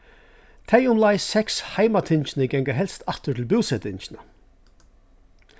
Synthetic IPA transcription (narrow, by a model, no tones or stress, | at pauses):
t̪ʰɛjʊmlaɪsɛkshaɪmat̪ʰɪnt͡ʃɪnəɡɛŋkaɦɛlst̪at̪ʏtʰɪlbuwsɛt̪ʰɪnʃɪna